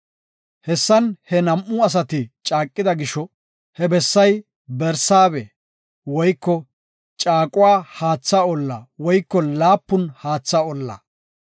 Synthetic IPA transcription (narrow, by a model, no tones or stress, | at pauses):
hɛsːɐnhɛnɐmʔʊɐs̬ɐt̪ɪt͡ʃʼaːkʼːɪd̪ɐɡɪʃɔ | hɛbɛsːɐj | bɛɾsaːbɛ | wɔjkːɔ | t͡ʃʼaːkʼʊwaːhaːt͡sːaɔlːɐ̰wɔjkːɔlaːpːʊnhaːt͡sːaɔlːɐ̰